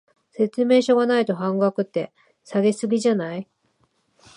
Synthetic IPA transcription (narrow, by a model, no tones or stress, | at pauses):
se̞t͡sɨme̞ːɕo̞ɡanait̪o̞ɦãŋɡakɯ̟t̪ːe̞ | saɡe̞sɨɡʲiʑanai